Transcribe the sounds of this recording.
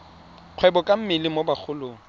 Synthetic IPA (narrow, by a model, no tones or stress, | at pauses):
q͡χʰwɛbɔkʼam̩mɪlɪmobak͡xʰʊlʊːŋ̩